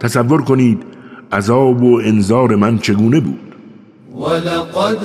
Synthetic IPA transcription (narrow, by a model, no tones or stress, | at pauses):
t̪ʰæsævːoɾko̞niːd̪æzɒːboenzɒːɾe̞mænt͡ʃʰe̞ɡuːne̞bṵːd̪̥